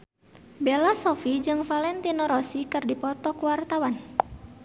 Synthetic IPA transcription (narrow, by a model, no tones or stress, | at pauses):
belasɔfid͡ʒɨŋfalɛnt̪inɔɾɔsikɨrdipɔt̪ɔkuwart̪awan